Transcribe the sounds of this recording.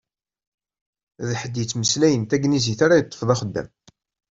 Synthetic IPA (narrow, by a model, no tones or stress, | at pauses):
ðħəd̪jət͡sːməslæjənt̪æɡniziθaɾajət̪ˤːə̥fðˤɑχəd̪ːæ̰m